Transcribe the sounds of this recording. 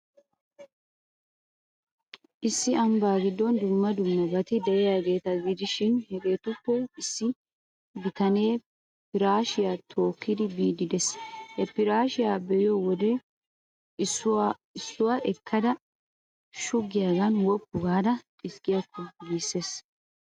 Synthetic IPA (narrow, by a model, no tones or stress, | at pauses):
ʔɪsːɪɐmbaːɡɪd̪ːɔnd̪ʊmːɐd̪ʊmːɐbɐt̪ɪd̪ɛjɛjaːɡe̞ːt̪ɐɡɪd̪ɪʃɪnhɛɡe̞ːt̪ʊkːɔɪsːɪ | bɪt̪ɐne̞ː | pɪɾaːʃɪjaːt̪ʰo̞ːkːɪd̪ɪbiːd̪ɪd̪ɛshɛpɪɾaːʃɪjaːbɛjɪjɔwɔd̪ɛ | ɪsːʊwaʔɛkʰːɐd̪ɐ | ʃʊɡɪjaːɡɐnwɔpːʊɡaːd̪ɐ | ɪskʼɪjɐkːɔɡiːsːe̞ːs